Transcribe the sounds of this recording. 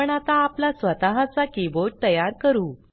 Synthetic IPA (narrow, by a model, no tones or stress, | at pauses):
əɳat̪aːplasʋət̪aɦãt͡sakiboʈt̪əjaɾkəɾuː